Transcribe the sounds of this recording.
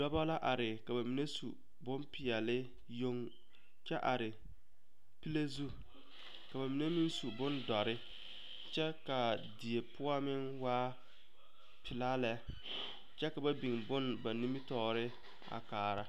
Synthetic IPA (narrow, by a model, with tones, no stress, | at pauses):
dɔ˦ba˦la˦ʔa˨ɾɪ˨ka˨ba˨mi˨ne˦sṵ˨ | bʊ˦mpɪ˨ɛ˨lɪ˦ | jo˦ŋ | t͡ʃɛ˦ʔa˨ɾɪ˨ | pi˦le˦zu˦ | ka˨ba˨mi˨ne˦mɪ˦nsu˨bʊ˦ndɔ˨ɾɪ˦ | t͡ʃɛ˦ka˨di˨e˨pʊ˦a˦mɪ˦nwaː˦ | pʰɪ˨la˦lɛ˦ | t͡ʃɛ˦ka˨ba˦bi˨ŋbʊ˦nba˨ni˦mi˦tɔː˦˨ɾɪ˦ | a̰˨kaː˨ɾa˦